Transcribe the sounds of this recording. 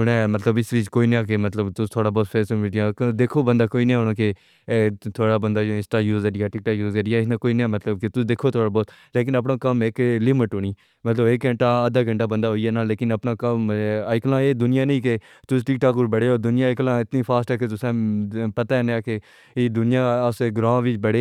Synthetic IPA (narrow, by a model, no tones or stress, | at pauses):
ʊnɛ̃ːmət̪ləbɪsɾiːd͡ʒkoːiːnẽaːk̬emət̪ləbt̪ʊst̪ʰoːɽaːbɔːt̪pʰeːsəmɪʈɪjãːkd̪eːkʰoːbə̃nd̪aːkoːiːnːɦoːnãːke | t̪ʰoːɽaːbənd̪aːd͡ʒoɪ̃sʈaːjuːzəɾɪjaːʈɪk̚ʈaːkjuːzeɖɪjaːɪsnãːkoːiːnːãːmət̪ləbket̪ʊd̪eːkʰoːt̪ʰoːɽaːbɔːt̪ | leːk̬ɪnəp̬nãːkəmeklɪmɪʈoːñiː | mət̪ləbeːkːɡə̃ɳʈaːəd̪aːɡə̃ɳʈaːbə̃nd̪aːɦoiaːnaːleːkɪnəpnaːkəmɪklãːeːd̪ʊnɪjaːnəĩːke | t̪ʊsʈɪkʈaːkuɾbəɽeːoːd̪ʊnɪjãːɪklãːɪt̪niːpʰaːsʈɛːket̪ʊsẽːpət̪aːnaːkeː | d̪ʊnɪjãːseːɡɾãːʋɪt͡ʃbəɽeː